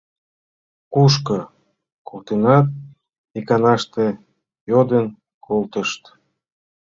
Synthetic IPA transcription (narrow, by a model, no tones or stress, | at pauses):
kuʃkə | kolt̪enɑt̪̚ | ikɑnɑʃt̪e | jod̪ən | kʰolt̪əʃt̪